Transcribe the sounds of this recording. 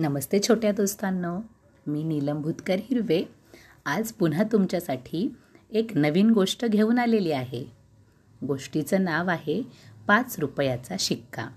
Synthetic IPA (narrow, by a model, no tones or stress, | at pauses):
nəməst̪et͡ɕʰoʈjad̪ost̪anːɔ | miːniləmbʱut̪kəɾɦiɾʋe | ad͡zpun̤at̪umt͡ɕjasaʈʰiː | eknəʋiːnɡoʂʈəɡʱeuːnaleliːaɦe | ɡoʂʈit͡sənaʋaɦepat͡sɾupjat͡saɕikːa̰